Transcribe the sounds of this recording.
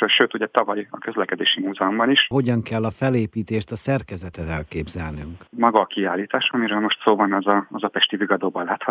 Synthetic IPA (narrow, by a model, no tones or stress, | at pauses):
ʃøːt̪uɟɛt̪ɒvɒjɒkø̞zlɛkɛd̪eːʃimuːzɛombɒniʃɦo̞ɟɒŋkɛlːɒfɛleːpiːt̪eːʃt̪ɒsɛrkɛzɛt̪ɛt̪ɛlkeːbzɛlny̰ŋkmɒɡɒːkiaːlːiːt̪aːʃɒmiɾøːlmo̞ʃt̪soːbɒnɛzɒɒzɒpɛʃt̪iviɡɒd̪oːbɒlːaːt̪hɒ